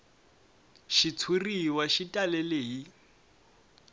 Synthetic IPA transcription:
ʃit͡sʰuriwaʃitʼalɛleːɦi

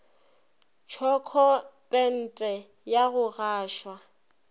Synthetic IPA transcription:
t͡ʃʰɔkʰɔpʼɛn̩tʼɛ | jaɣʊɣaːʃwa

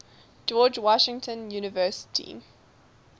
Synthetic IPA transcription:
d͡ʒɔːd͡ʒwɔʃɪ̃ŋtʰə̃njuːnɪvɜˑsɪ̥tʰḭ

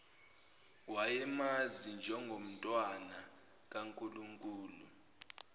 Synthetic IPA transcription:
wajɛmazind͡ʒʱɛŋɡʱom̩tʼwana | k̬aŋkʼuluŋkʼuːlu

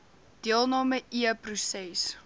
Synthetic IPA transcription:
d̥iəlˠnɑːməʔiəprusɛs

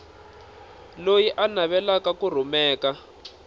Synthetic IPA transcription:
lojiʔanaβɛlakakur̤umɛːka

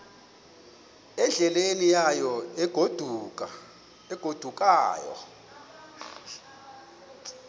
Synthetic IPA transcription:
ɛnɮɛlenijajɔɛɡ̥ʱod̥ʱuk̬ʼa | ɛɡ̥ʱod̥ʱuk̬ʼa̰ːjɔ̰

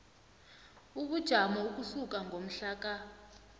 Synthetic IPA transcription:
uk̬ud̥ʒ̥ʱamauk̬usuk̬ʼaŋɡʱom̩ɬaːk̬a

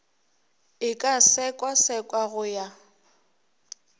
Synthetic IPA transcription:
ɪkʼasɛkʼwasɛkʼwaɣʊja

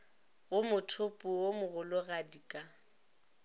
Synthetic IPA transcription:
ɣʊmʊtʰʊpʼuwomʊɣʊlʊɣadikʼa

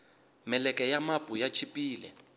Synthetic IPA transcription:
mɛlɛkʼɛjamabʼujat͡ʃʰipʼiːlɛ̰

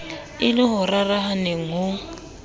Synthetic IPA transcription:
ɪlɪɦʊraraɦaneŋ̩ɦʊ

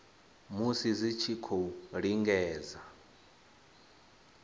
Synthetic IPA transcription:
musizit͡ʃʰikʰouɺiŋɡɛːza

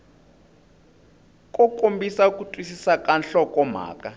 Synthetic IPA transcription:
kʼɔkʼombisaukʼutʼwisisakʼanɬɔkʼɔm̤a̰ːkʼa

